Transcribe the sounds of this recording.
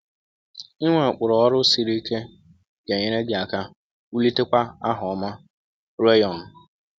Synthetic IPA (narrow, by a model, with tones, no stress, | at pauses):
i˦ŋʷa˨k͡pʊ˨ɾɔ˨ɔ˦ɾʊ˦si˨ɾi˦i˦ke˦ | ɡ̥e˨ɲe˦ɾe˦ɡɪ˨a˨ka˦ | u˦li˦te˦kʷa˦a˦ɦɔ˨ɔ˨ma˦ | ɾe˦jɔ˨n̩˨